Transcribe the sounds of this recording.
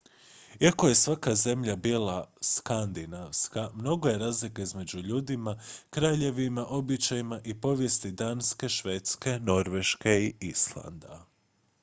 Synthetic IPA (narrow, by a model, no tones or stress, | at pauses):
iako̞je̞sʋakaze̞mʎabiːlˠaskand̪inaʋskamno̞ɡo̞je̞ɾaːzlikaizme̞d͡ʒuʎuːd̪imakɾaːʎe̞ʋimaʔo̞bit͡ʃajimaʔipo̞ʋje̞st̪id̪aːnske̞ʃʋe̞t̪ske̞no̞ɾʋe̞ʃke̞iislˠa̰nd̪a